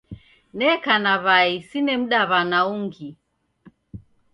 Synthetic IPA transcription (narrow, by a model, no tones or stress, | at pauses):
nɛkanaβaisinɛm̩ɗaβanauŋɡi